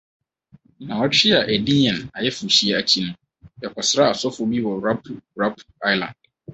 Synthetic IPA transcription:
nã˨ɔ˦t͡ɕʰᶣɪ˦a˨ʔe˨dĩ˦ɲ˦ɛ̃˨na˨jɛ˦fu˨ɕi˦ɛ˦a˨t͡ɕʰi˦nũ˦ | jɛ˨kʰʷɔ˨sɾa˦a˨sɔ˦fʊ˦bi˦wɔ˨ɾa˦pʰu˨ɾa˦pʰu̥˨a˦jlã̰˨nd̚

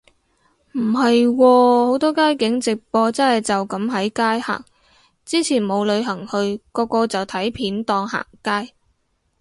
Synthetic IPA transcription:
m̩˨˩ɦɐ˨jwɔː˧ho˨˥wt̪ɔː˥kaː˥jkɪ˨˥ŋt͡sɪ˨k̚pɔː˧t͡sɐ˥nhɐ˨jt͡sɐ˨wkɐ˨˥mɦɐ˨˥jkaː˥jha̰ː˨˩ŋ | t͡siː˥t͡sʰiː˨˩nmo˨˧wlɵ˨˧ɥɦɐ˨˩ŋhɵ˧ɥkɔː˧kɔː˧t͡sɐ˨wt̪ʰɐ˨˥jpʰiː˨˥nt̪ɔː˧ŋha̰ː˨˩ŋkaː˥j

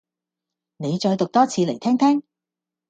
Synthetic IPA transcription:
ne˨˧jt͡ʃɔː˧jt̪ʊ˨k̚t̪ɔː˥t͡sʰiː˨˧le˨˩jt̪ʰɛː˥ŋt̪ʰɛː˥ŋ

